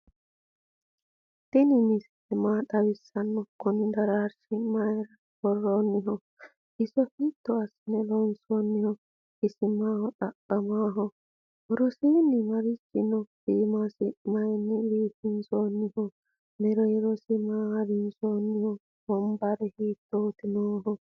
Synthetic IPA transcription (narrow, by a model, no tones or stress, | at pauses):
t̪ɪnɪmɪs | ɛmaːt̪ɐwɪsːɐnːɔkːɔnɪd̪ɐɾaːɾsɪmɐjɛɾɐ | bɔrːoːnːɪɦɔ | ɪsɔhit̪ːɔɐsːɪnɛlɔnsoːnːɪhɔ | ɪsɪmaːhɔᶑɐkːɐmaːɦɔ | wɔɾɔsiːnɪmɐɾɪsːɪnɔsiːmasɪmɐjɛnːɪɾiːt̪ːɪnsoːnːɪhɔ | nɛɾɔjɛɾɔsɪmaːhɐɾɪnsoːnːɪhɔ | bɔmbɐɾɛhiːt̪ːoːt̪ɪnoːɦɔ